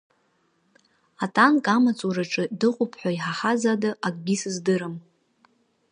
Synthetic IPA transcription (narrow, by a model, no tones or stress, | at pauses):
atʼankʼamat͡sʼuraʈ͡ʂʼɨdɨqʷʼʊpʰħʷᶣaiħaħazadɨʔakʼɡʲisɨzdɨɾɨm